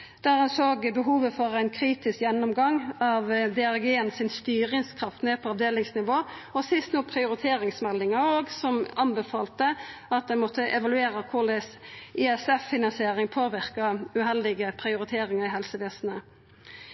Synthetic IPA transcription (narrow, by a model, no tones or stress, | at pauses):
d̪̥æːʁɛnsoːɡbəɦuːʋəfɔʁæɪnkʰɾiːt̪ɪskjɛnːɔmɡɑŋɑʋd̪ɛɑʁɡeːənsɪnst̪yːʁɪŋskʰʁɑft̪neːpʰɔɑʋd̪eːlɪŋsnɪʋoːɔsɪst̪nuːpʰʁɪʊɾɪt̪ʰeːɾɪŋsmɛlːɪŋɑoːɡsɔmɑnbɛfɑːlt̪əɑt̪̚d̪ɛnmɔt̪ʰːəʔɛʋɑlʉeːɾəkʰʊɖ̪ɛsɪɛsɛfːɪnɑnsɪeːʁɪŋpʰoːʋɪʁkɑʉɦɛld̪ɪɡəpʰʁɪʊɾɪt̪ʰeːɾɪŋɑʁɪɦɛlsəʋeːsnə